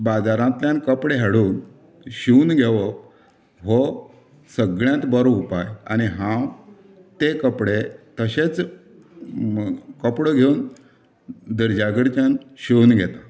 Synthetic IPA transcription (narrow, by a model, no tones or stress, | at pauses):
bad͡zaɾãt̪ljãnkəpɽeɦaɽuːn | ɕiunɡʱeʋə | ɦo | səɡɭjãt̪bəɾoupaja̰ñiɦã | t̪ekəpɽet̪əɕet͡s | kəpɽəɡʱeun | d̪əɾd͡ʑaɡəɾt͡ɕjanɕiunɡʱet̪a